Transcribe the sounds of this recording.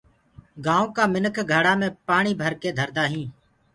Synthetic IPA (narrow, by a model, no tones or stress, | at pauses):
ɡaːõːkaːmɪnəkʰɡʱəɽaːmẽːpaːɳiːbʱəɾkeːd̪ʱəɾd̪aːɦĩː